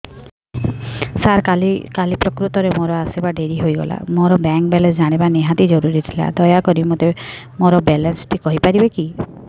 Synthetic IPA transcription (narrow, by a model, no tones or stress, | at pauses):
saɾalikalipɾɔkɾut̪ɔɾemoɾɔasebaɖeɾiɦojɡɔ̰la̰moɾɔbɛŋk̚bɛlensd͡ʒaɽ̃ibaneɦat̪id͡ʒɔɾuɾit̪ʰila̰d̪ɔjakɔɾimot̪e | moɾɔbɛlensʈʰikɔɦipaɾibeki